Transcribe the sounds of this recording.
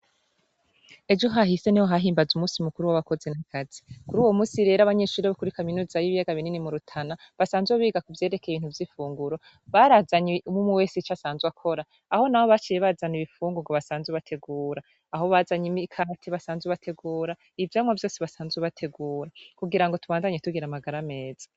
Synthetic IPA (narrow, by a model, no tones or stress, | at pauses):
e̞d͡ʒo̞ɦahise̞nihoɦaɦiːmbazumuːsiumukuɾuwaβako̞zenakʰazikuɾuːwo̞muːsiɾe̞ːɾaβaɲe̞ʃuːɾieβakuɾikaminuːzajiβijaɡaβininimuɾutʰana | βasaːnzweβiːɡakuvje̞ːɾe̞kʰejβiːnthuvjifuːŋɡuɾo̞ | βaɾazaɲeumumuweːsit͡ʃasaːnzwakʰo̞ɾaː | ho̞nahoβat͡ʃijeβazaniβifuːŋɡoŋɡoβasaːnzweβatʰe̞ɡuːɾaː | ho̞βazaɲimikʰatʰiβasaːnzweβatʰe̞ɡuːɾa | ivjamwavjo̞ːsiβasaːnzweβatʰe̞ɡuːɾakuɡiɾaŋɡo̞tuβaːndaɲetuɡiɾamaɡaɾame̞ːz̥ḁ